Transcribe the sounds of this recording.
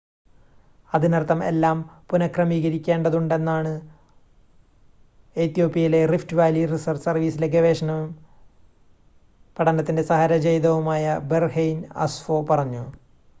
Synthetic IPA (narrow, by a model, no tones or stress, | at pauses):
ɐðinɐrt̪ːɐme̞̰lːaːmpunɐkrɐmiːɣɐɾikʲːe̞ːɳɖɐðuɳɖe̞nːaːɳɨ | et̪ːijo̞ːpːijɐjile̞riftɨʋaːjlirisɐrsɐrʋiːsileɡeʋeːʂɐnɐʋum | pɐʈɐnɐt̪ːinde̞sɐɦɐɾɐd͡ʑejd̪ɐʋumaːjɐberhejnɐ̰sfo̞ːpɐrɐɲːu